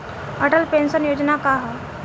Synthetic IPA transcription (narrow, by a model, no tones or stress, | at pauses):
əʈəlpensənjod͡ʑnakaɦa